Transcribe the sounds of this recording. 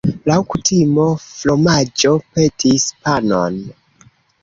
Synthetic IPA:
lawkutʰimoflo̞mad͡ʒo̞pe̞tʰispano̰n

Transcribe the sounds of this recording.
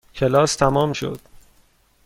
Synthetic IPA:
cʰelɒːst̪ʰæmɒːmʃo̰d̪̥

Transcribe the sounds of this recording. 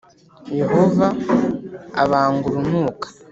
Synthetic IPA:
je̞hovaː | βaːŋɡuɾunuːkḁ

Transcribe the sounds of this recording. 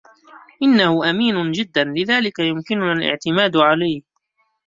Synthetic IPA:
ʔɪnːahʊʔamiːnʊd͡ʒɪd̪ːanlɪðaːlɪkajʊmkɪnʊnalʔɪ̰ʕt̪ɪmaːd̪ʕalajh

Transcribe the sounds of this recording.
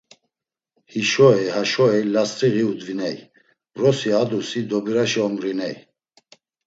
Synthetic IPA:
hiʃɔɛhaʃɔɛlast̪ʼɾiɣiud̪vinɛj | rɔsiad̪usid̪ɔbiɾaʃiɔmɾinɛj

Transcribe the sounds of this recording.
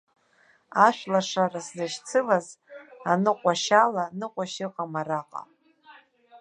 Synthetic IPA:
aʃʷᶣlaʂaraszaʃt͡sʰɨlazanɨqʷʼaʃalanɨqʷʼaʃɪqʼamaraqʼa̰

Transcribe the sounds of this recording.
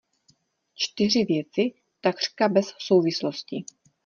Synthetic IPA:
t͡ʃt̪ɪr̝ɪvjɛt͡sɪ | t̪akr̥kabɛsso̞wvɪsloscɪ

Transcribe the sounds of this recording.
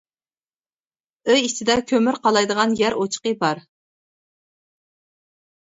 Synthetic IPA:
øjit͡ʃʰɪd̪ɛkʲʰømɪɾqʰɑlˠɑjd̪əʁɑnjæɾot͡ʃʰqəbɑɾ

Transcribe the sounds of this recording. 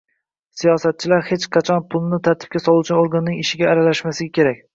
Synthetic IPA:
sijɒsat̪̚t͡ʃʰɪlaɾhe̞t͡ʃqʰɑt͡ʃʰɒnpʰʊlˠnɪt̪ʰaɾt̪ʰɪ̥b̚kʲasɒlˠuwt͡ʃanoɾɡanːɪŋɪʃɪɡʲaːɾalaʃmasɪɡʲakʲʰe̞ɾakʲ

